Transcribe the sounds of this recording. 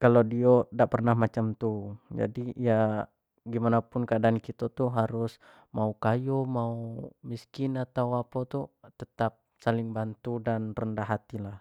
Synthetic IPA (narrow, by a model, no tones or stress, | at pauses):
kalodiodaʔpərnahmat͡ʃamt̪ud͡ʒa̰diija | ɡimanapunkaadaːnkit̪ot̪uɦaɾus | maukajumaumiskinat̪awapat̪ut̪ət̪ap̚salɪŋbant̪udanrəndaɦat̪ilah